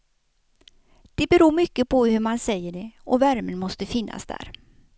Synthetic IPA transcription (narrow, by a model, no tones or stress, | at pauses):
d̪̥ɛbɛɾuːɾmʏkːəpʰɔhɵɾmansɛjːəɖɛɔvæɾmənmɔst̪əfɪnːa̰sd̪æ̰ːɾ